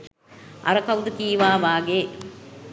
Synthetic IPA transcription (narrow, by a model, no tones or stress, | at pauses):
ɐ̰ɾɐkɐwd̪ɨkiːʋaːʋaːɡe